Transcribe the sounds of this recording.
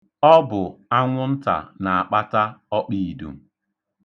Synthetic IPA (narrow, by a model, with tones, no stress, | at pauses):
ɔ˦bʊ˨a˦ŋʷʊ˦n̩˦ta̰˨na˨a˨k͡pa˦ta˦ɔ˦k͡pi˦i˨dṵ˨